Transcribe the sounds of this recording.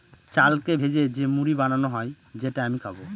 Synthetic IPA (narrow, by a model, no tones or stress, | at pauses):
t͡ʃalkebʱed͡ʑed͡ʒemuɾibananoɦɔj | d͡ʑeʈaamikʰabo